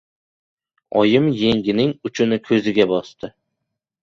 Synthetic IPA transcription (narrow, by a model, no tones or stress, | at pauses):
ɒ̰jɪmjeŋɡʲɪnɪŋʊt͡ʃʰʊnɪkʲʰɵzɪɡʲabɒst̪ɪ